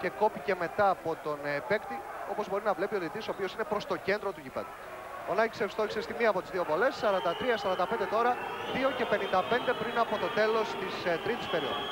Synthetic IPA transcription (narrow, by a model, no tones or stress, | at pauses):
ce̞ko̞pice̞me̞t̪ɐːpo̞t̪o̞nepe̞kt̪io̞po̞zbo̞ɾinɐvle̞pio̞ðit̪iso̞opio̞sine̞pɾo̞st̪o̞ce̞nd̪ɾo̞t̪uʝipḛðu | onɐci̥sefst̪o̞çisest̪imiɐpot̪izðio̞vo̞le̞ssɐɾɐnd̪ɐt̪ɾiɐsɐɾɐnd̪ɐpe̞nd̪e̞t̪o̞ɾɐðio̞ce̞pe̞nind̪ɐpe̞nd̪e̞pɾinɐpo̞t̪o̞t̪e̞lo̞st̪ist̪ɾit̪i̥spe̞ɾio̰ðo